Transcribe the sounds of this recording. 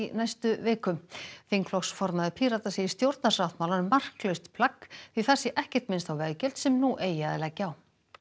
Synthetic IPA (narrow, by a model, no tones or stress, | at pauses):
najst̪ʏveːkʏmfeŋkflɔksfɔɾmaðɪpʰiːɾat̪aseːjɪ̥st̪jowɾt̪nasawht̪mawlanmar̥klœɥst̪pʰlakːfiθɛsːɪʔɛhcɛ̥t̪mɪnst̪awvɛðcɛl̥t̪sɛmnuʔeːjaðɪlɛcːaw